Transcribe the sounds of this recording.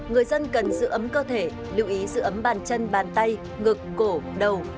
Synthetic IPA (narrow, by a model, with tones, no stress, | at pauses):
ŋɨ˨˩əjzə˧nkə˨˩nzɨ̰˧˥ʔə˨˦mkəː˧t̪ʰe˧˩ | lḭ˧˩˨wʔi˨˦zɨ̰˧˥ʔə˨˦mɓaː˧˩nt͡ɕə˧nɓaː˨˩nt̪a˧j | ŋɨ˨˩kːo˧˩ɗə˨˩w